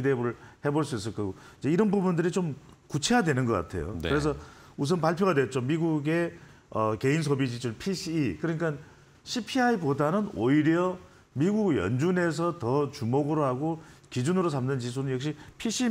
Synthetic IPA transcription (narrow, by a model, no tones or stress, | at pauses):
idebuɾɯɭhe̞boɭs͈uis̬͈ɯɭk͈aɡoid͡ʑeiɾʌnbubundɯɾit͡ɕomkut͡ɕʰejadwe̞nɯnɡʌk͈a̰tʰe̞̰jo̰kɯɾe̞s̬ʰʌus̬ʰʌnpaɭpʰjoɣadwet͡ɕ͈omːiɡuɡe̞ | ʌke̞ins̬ʰobid͡ʑit͡ɕʰuɭpʰiɕʰiːkɯɾʌɲik͈an | ɕʰipʰiaibodanɯnoiɾjʌ | miɡuɡjʌ̰nd͡ʑune̞s̬ʰʌtʌt͡ɕumoɡɯɾoɦaɡokid͡ʑunɯɾos̬ʰamnɯnt͡ɕis̬ʰunɯnjʌk̚ɕ̬͈ipʰiɕ͈ʰi